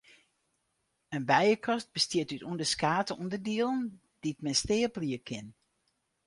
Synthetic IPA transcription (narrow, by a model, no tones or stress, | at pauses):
ənbɛjəkʰɔst̚b̥əstiətytundəskaːtəundədiəlˠn | d̥it̚mɛnstɪːəpliəkʰɪn